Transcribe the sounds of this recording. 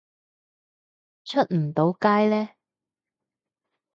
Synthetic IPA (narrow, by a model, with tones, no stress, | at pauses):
t͡ʃʰɵ˥t̚m̩˨˩t̪o˨˥wkaː˥jlɛː˥